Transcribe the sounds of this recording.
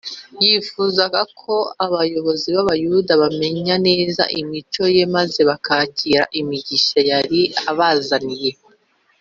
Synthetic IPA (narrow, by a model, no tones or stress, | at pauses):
jifuːzaɡakʰo̞aβajo̞βo̞ziβaβajudaβame̞ɲane̞ːza̰ʔimit͡ʃo̞je̞maze̞βakaːciɾa̰ʔimiɟiʃajaɾiaβazanije̞